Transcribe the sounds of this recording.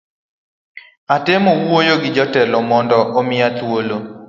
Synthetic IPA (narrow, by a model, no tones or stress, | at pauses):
atemowojoɡɪd͡ʒɔtɛlɔmɔndɔʔomɪat̪wolo